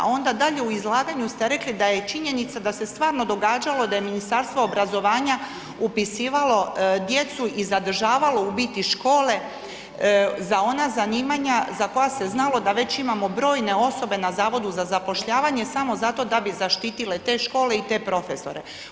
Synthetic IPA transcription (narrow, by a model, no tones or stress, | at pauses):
o̞nd̪ad̪aʎe̞uizlˠaːɡaɲust̪e̞ɾe̞klid̪aje̞t͡ʃiɲe̞nit̪sad̪ase̞st̪ʋaːɾno̞d̪o̞ɡaːd͡ʒalˠo̞d̪ajeminist̪aɾst̪ʋoobɾazo̞ʋaːɲa | upisiːʋalo̞d̪je̞t̪suʔizad̪r̩ʒaːʋalo̞ubiːt̪iʃko̞ːle̞ | zao̞nazaniːmaɲazako̞jase̞znalo̞d̪aʋe̞t͡ɕimamo̞bɾo̞ːjne̞o̞so̞be̞nazaːʋo̞d̪uzazapo̞ʃʎaːʋaɲe̞samo̞zat̪o̞d̪abizaʃt̪iːt̪ile̞t̪e̞ːʃko̞ːle̞it̪e̞ːpɾo̞fe̞so̞̰ɾe̞